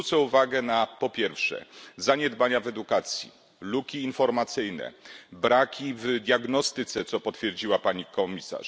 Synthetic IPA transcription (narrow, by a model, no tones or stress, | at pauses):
ut̪sɛuvaɡɛnapɔpʲjɛɾfʂɛ̰zaɲɛd̪baɲavɛd̪ukat̪sʲjḭ | lukʲiːnfɔɾmat̪sɘjnɛ̰bɾakʲivd̪ʲjaɡnɔst̪ɘt̪sɛt̪sɔpɔt̪fʲjɛɾd͡ʑiwapaɲikɔmʲisa̰ʂ